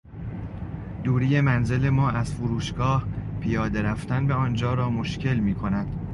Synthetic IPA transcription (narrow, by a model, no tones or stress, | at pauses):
d̪̥uːɾiːje̞mænze̞le̞mɒːʔæz̥fuɾuːʃɡɒːhpʰijɒːd̪e̞ɾæft̪ænbeɒːnd͡ʒɒːɾɒːmo̞ʃcʰe̞lmiːkʰo̞næd̪̥